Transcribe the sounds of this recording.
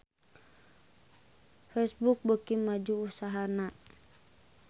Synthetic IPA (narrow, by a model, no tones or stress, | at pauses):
fɛsbuk̚bəkimad͡ʒuusaɦana